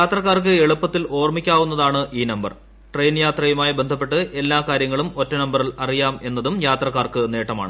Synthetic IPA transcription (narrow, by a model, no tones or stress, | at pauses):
jjaːt̪rɐkːaːrkɨe̞ɭupːɐt̪ːilo̞ːrmikʲːaːʋunːɐðaːɳɨʔiːnɐmbɐr | ʈrejnjaːt̪rɐjumaːjibe̞nd̪ʱɐpːe̞ʈːɨʔe̞lːaːkaːɾjɐŋːɐɭumo̞tːɐnɐmbɐrilɐrijaːme̞nːɐðumjaːt̪rɐkːaːrkɨne̞ːʈːɐma̰ːɳɨ